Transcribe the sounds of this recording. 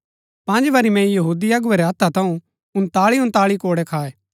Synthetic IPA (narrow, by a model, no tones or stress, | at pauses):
pɐ̃nd͡ʒʋɐɾimɛ̃jɐɦuːd̪iɐɡʊeɾeɦɐt̪ʰat̪ʰɐ̃ũ | ʊnt̪aːɭiʊ̃nt̪aːɭikoːɽɛkʰaːeː